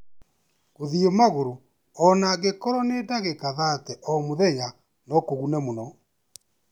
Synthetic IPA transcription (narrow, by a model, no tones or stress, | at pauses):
ɣoðiemaɣoɾo | ɔnaɣekɔɾɔnedaɣekaðatɛʔɔmoðɛɲa | nɔkoɣunɛmonɔ